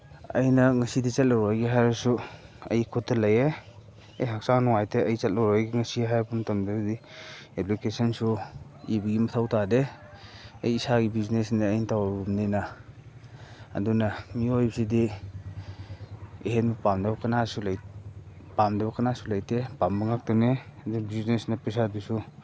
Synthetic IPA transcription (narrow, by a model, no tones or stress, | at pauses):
ɐ̰jnɐŋɐsidit͡ʃɐt̚lawɾajɡiɦajɾɐsuɐ̰jkʰutːɐlɐje | ɐjɦak̚saŋnɔŋajtʰeɐjt͡ʃɐt̚lawɾajɡiŋɐsiɦajbumtɐmdɐdieplikesɐnsuibiɡimɐtʰawtade | ɐjːsaɡibiznesniːjntawbumnena | dunamiojbsidi | eɦenbɐpamdɐbɐkɐnasula | pamdɐbɐkɐnasulajtʰepambaŋak̚tɐneɐdubiznesnɐpisabisu